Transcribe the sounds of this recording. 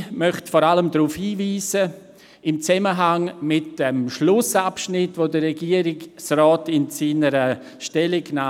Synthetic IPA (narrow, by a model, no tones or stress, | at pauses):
mœχtfɔːɾaləmdɾuːfhiːviːzə | ɪmt͡sɛməɦaŋmɪtəmʃlʊsapʃnɪtvodərɛɡiːəɾiɡsrɔːtɪnsiːnəɾə | ʃtɛlɪɡnaː